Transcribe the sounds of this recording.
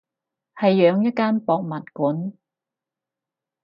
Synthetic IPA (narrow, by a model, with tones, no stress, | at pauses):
hɐ˨jːœː˨˧ŋjɐ˥t̚kaː˥npɔː˨˧k̚mɐ˨t̚kuː˨˥n